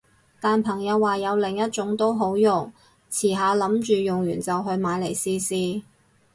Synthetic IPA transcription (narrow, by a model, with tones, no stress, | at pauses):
t̪aː˨npʰɐ˨˩ŋjɐ˨˧wːaː˨jɐ˨˧wlɪ˨ŋjɐ˥t̚t͡ʃʊ˨˥ŋt̪o˥wɦo˨˥wjʊ˨˩ŋ | t͡sʰiː˨˩ɦaː˨˧lɐ˨˥mt͡ʃyː˨jʊ˨˩ŋjyː˨˩nt͡sɐ˨wɦɵ˧ɥmaː˨˧jle˨˩jsiː˧siː˧